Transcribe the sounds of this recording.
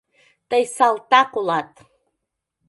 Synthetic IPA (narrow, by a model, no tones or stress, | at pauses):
t̪ʼajsalt̪akulˠat̪ʼ